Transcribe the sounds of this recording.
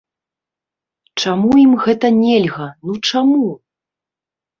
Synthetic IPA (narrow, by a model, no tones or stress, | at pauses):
t͡ʂamujimɣɛt̪ɐnʲɛlʲɣɐnut͡ʂamu